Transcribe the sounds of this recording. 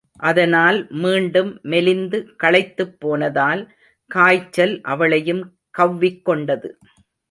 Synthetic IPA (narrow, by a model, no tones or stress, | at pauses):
ʔɐðɐnaːlmiːɳɖɯmːɛlɪnd̪ɯkɐɭɐɪt̪ːɯpːoːnɐðaːl | kaːjt͡ʃːɐlʔɐ̰ʋɐɭɐjɯm | kɐʋːɪkːɔɳɖɐðɯ